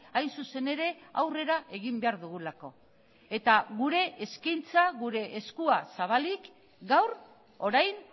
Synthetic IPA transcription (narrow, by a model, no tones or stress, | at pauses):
ajnsuse̞ne̞ɾe̞awre̞ɾaʔe̞ɣimbe̞aɾðuɣ̞ulako̞ | e̞t̪aɣuɾe̞ʔːskajnt͡saɣuɾe̞ʔːskuasaβalik | ɡawɾ | o̞ɾajn